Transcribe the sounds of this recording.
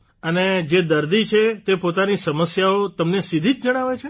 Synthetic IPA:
əned͡ʒed̪əɾd̪it͡ʃʰet̪epot̪anisəməsjaot̪əmnesid̪ʱid͡ʒd͡ʒəɽ̃aʋet͡ʃʰe

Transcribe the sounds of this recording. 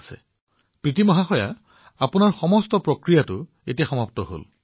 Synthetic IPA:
sɛ̰ | pɹitimɔɦaxɔja̰ | apʊnaɹxɔmɔstɔpɹokɹijatʊ | etijaxɔmaptɔɦo̰l

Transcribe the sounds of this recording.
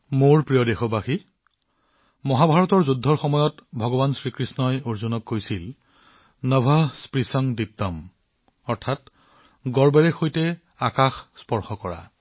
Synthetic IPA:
moɹpɹijɔdexɔbaxi | mɔɦabʱaɹɔtɔɹzudʱːɔɹxɔmɔjɔtbʱɔɡɔbansɹikɹisnɔjoɹzunɔkːojsil | nɔbʱɔspɹisɔŋditːɔm | ɔɹtʰat | ɡɔɹbɛɹɛxʰojtɛ | akaxspɔɹxɔkɔɹa̰

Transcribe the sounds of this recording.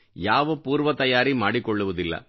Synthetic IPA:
jaːʋɐpuːɾʋɐt̪ɐjaːɾimaːɽikːɔɭːɯʋɐðɪlːɐ̰

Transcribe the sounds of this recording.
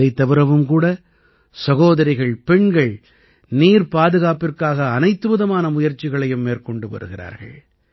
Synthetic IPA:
ɐɪt̪ːɐʋɯɾɐʋɯmkuːɽɐ | sɐɣoːðɐɾɪɣɐɭpɛɳɡɐɭ | niːɾpaːðɯɣaːpɪrkaːɣɐːnɐɪt̪ːɯbɯðɐmaːnɐmʊjɐɾt͡ʃːɪɣɐɭɐjɯmːeːɾkɔɳɖɯʋɐ̰ɾɯɣɪra̰ːɾɣɐ̰ɭ

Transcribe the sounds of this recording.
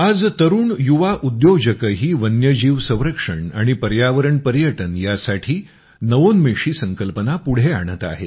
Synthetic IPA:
ad͡zt̪əɾuːɳjuʋaʔud̪jod͡ʑəkəɦiːʋənjəd͡ʑiːʋsə̃w̃ɾəkʂəɳa̰ɽ̃ipəɾjaʋəɾəɳpəɾjəʈənjasaʈʰiː | nəʋonmeʂiːsəŋkəlpənapuɽ̤eaɽ̃ət̪a̰ɦe

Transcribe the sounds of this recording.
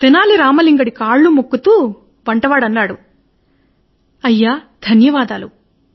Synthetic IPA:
d̪ɛnaːliɾaːmɐliŋɡɐɽikaːɭːumukːut̪uː | ʋɐɳʈɐʋaːɽɐnːaːɽu | ɐjːaːd̪̥ʱɐnjɐʋaːd̪aːlu

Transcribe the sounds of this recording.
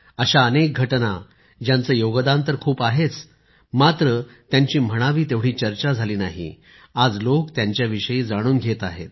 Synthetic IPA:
əɕaənek̚ɡʱəʈna | d͡ʑjãnt͡səjoɡd̪ãnt̪̬əɾkʰuːpaɦet͡s | mat̪ɾət̪jaɲt͡ɕiːm̤əɽ̃aʋiːt̪eʋɽ̤iːt͡ɕəɾt͡ɕad͡zʱaliːnaɦḭ | ad͡zlokt̪jãɲt͡ɕjaʋiʂəjiːd͡zaɽ̃uːnɡʱet̪aɦet̪̚

